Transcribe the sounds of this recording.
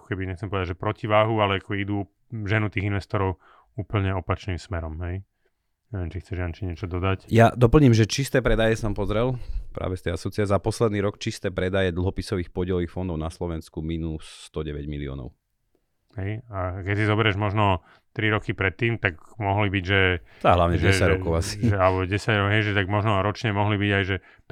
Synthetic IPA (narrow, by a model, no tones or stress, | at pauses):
akɔ̥kɛbiɲɛxtt͡sɛmpɔʋɛd̪ad͡ʒʒɛpɾɔciʋaːɦualɛakɔid̪u | ʒɛnut̪iːɣinʋɛst̪ɔɾɔʊ | uːpl̩ɲɛɔpat͡ʃniːmsmɛɾɔmɦɛj | ɲɛʋɪɛmt͡ʃixt͡sɛʒjant͡ʃiɲɛt͡ʃɔd̪ɔd̪acjad̪ɔpl̩ɲimʒɛt͡ʃist̪ɛːpɾɛd̪ajɛsampɔzɾɛlpɾʔa̰ːʋɛst̪ɛasɔt͡siazapɔslɛd̪niːɾɔkt͡ʃist̪ɛːpɾɛd̪ajɛd̪l̩ˠɦɔpisɔʋiːxpɔɟɪɛlʋiːxfɔnd̪ɔʊnaslɔʋɛnskuminusːt̪ɔɟɛʋɛɟmiliɔ̰ːnɔ̰ʊ | hɛjakɛsizɔbɛɾɛʒmɔʒnɔ | t̪ɾiɾɔkipɾɛt̪ːiːmt̪aɡmɔɦlibiɟʒɛɔaɦlaʊɲɛʒɛɟɛsaɟɾɔkɔʊasi̥ʒɛalbɔɟɛsaɟɾɔɡɦɛjʒɛt̪aɡmɔʒnɔɾɔt͡ʃɲɛmɔɦlibiɟajʒɛ